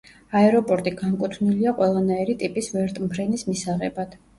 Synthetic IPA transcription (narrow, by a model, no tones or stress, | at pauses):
aɛɾɔpʼɔɾt̪ʼiɡankʼut̪ʰvniliaqʼwɛlˠanaiɾit̪ʼipʼisvɛɾt̪ʼmpʰɾɛnismisaʁɛbad̪̥